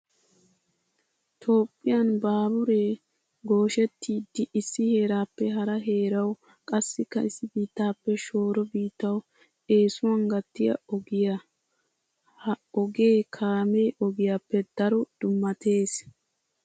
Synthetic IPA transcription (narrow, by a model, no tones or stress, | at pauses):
t̪ʰo̞ːpʼːɪjanbaːbʊɾe̞ː | ɡo̞ːʃɛt̪ːiːd̪ːɪʔɪsːɪhe̞ːɾaːpːɛɦɐɾɐɦe̞ːɾɐw | kʼɐsːɪkːɐɪsːɪbiːt̪ːaːpːɛʃo̞ːɾɔbiːt̪ːɐw | e̞ːsʊwɐŋɡɐt̪ːɪjɐ̰ɔɡɪjɐ | hɐɔɡe̞ːkʰaːme̞ːʔɔɡɪjaːpːɛd̪̥ɐɾɔd̪̥ʊmːɐt̪ʰe̞ːs